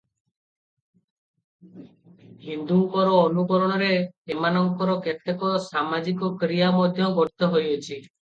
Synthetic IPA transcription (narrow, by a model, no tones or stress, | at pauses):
hind̪uŋkɔɾɔːnukɔɾɔɽ̃ɔɾeemanɔŋkɔɾɔket̪ekɔsamad͡ʒikɔkɾijamɔd̪ʱjɔɡɔɾt̪ɔɦojɔt͡ʃʰi